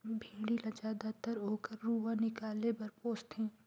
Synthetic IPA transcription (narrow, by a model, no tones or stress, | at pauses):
bʱĩːɽilɐd͡ʒaːd̪at̪əɾɦoːkəɾːuːʋanɪkaːlepɐɾpoːst̪ɦɛ̃ː